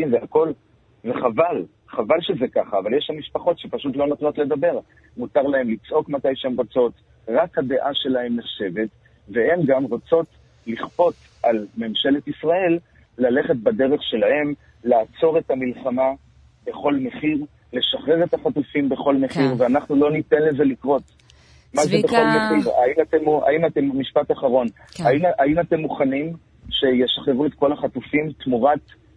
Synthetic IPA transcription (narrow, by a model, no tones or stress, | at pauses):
zeako̞l | veχaval | χavalʃezekaχaːvaljeʃamiʃpaχo̞tʃepaʃutlo̞not̪no̞t̪le̞d̪abe̞ʁ | mutaʁlaɦe̞mlit͡sʔo̞kmatajʃeemʁot͡so̞t | ʁakhade̞ʔaʃe̞lahe̞mneχʃe̞ve̞t | ve̞he̞mɡamʁot͡so̞t | liχpo̞t | ʔalme̞mʃe̞le̞t̪isʁae̞lː | ale̞χe̞t̚badeʁe̞χʃe̞lahe̞m | laːt͡so̞ʁe̞tamilχama | be̞χo̞lme̞χiʁ | le̞ʃaχʁe̞ʁe̞taχatufimbe̞χo̞lme̞χiʁveanaχnulo̞nite̞nleze̞likʁo̞t | mazebeχo̞lmeχiʁainatema̰imatemːiʃpataχaʁo̞n | aainate̞mːuχanim | ʃe̞je̞ʃaχʁeʁuetko̞laχatufimt̪muʁat